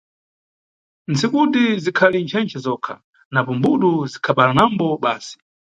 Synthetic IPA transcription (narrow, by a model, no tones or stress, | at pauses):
nt͡sikutizikʰalint͡ʃʰɛnt͡ʃʰɛzɔkʰa̰ | napɔmbuɗuzikʰaɓalanambɔɓaːsi̥